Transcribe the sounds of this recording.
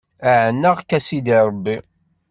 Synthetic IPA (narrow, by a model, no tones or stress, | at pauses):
æʕənːəʁkːæsid̪iɾˤbːi